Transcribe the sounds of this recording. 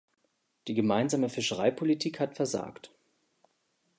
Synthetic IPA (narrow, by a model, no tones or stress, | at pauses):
d̥iːɡəmaɪnzaːməfɪʃəʁaɪpʰolitʰiːkhatfɛɐza̰ːkt